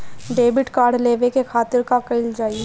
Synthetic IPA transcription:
ɖeːbɪʈkaːɾɖleːʋekekʰaːt̪ɪɾkakɐɪld͡ʒaːie

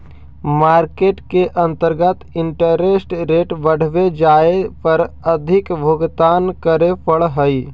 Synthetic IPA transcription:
maːɾkeːʈkeʔə̃nt̪əɾɡət̪ɪɳʈəɾesʈɾeːʈbəɽ̤ʋed͡ʒaːepəɾəd̪ʱɪkbʱoɡt̪aːnkəɾepʰəɭɦəi

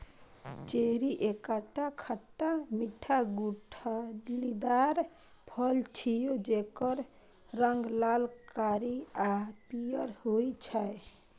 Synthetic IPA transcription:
t͡ʃeɾiʔekaʈakʰəʈːamiʈʰːaɡuʈʰlid̪aɾ | pʰəlt͡ʃʰijod͡ʒekəɾ | ɾəŋɡlalkaɾiapijəɾhoit͡ʃʰae

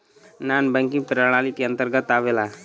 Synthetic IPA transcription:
naːnbɛ̃ŋkɪ̃ŋpɾəɽ̃aːlikeə̃nt̪əɾɡət̪aːʋela

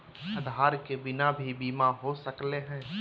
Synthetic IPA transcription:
ɐd̪ʱaːɾkebɪnabʱibiːmaɦosəkleɦɛ̃ː

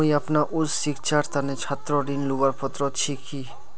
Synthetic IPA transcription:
ĩɐpnaʔʊssikt͡ʃaɾt̪anet͡ʃʰat̪ɾɔɾinluɡaɾpɔt̪ɾɔt͡ʃʰikːi

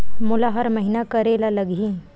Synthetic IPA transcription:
mʊlaɦɐɾmɐɦinakɐɾeːlalɐɡĩ

